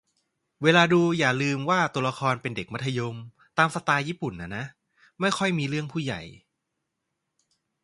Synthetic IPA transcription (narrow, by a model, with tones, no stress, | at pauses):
weː˧laː˧duː˧jaː˨˩lɯː˧mwaː˥˩t̪u˧ɐla˧kʰɔː˧npe˧nde˨˩k̚ma˦˥t̪ʰːa˧jo˧m | t̪aː˧msa˧t̪aː˧jiː˥˩pu˨˩nʔa˦˩na˦˥ʔ | ma˥˩jxʰɔ˥˩jmiː˧ɾɯ˥˩əŋpʰuː˥˩ja̰˨˩j